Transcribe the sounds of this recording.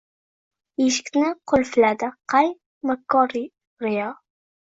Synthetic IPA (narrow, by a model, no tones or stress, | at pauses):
eʃɪ̥kʲnɪqʰʊlfɪlad̪ɪqʰaj | makʰːɒɾ | ɾɪjɒ